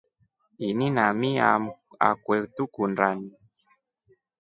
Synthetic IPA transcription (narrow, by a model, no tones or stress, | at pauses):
ininamia | a̰kwɛtukunɖ͡ʐani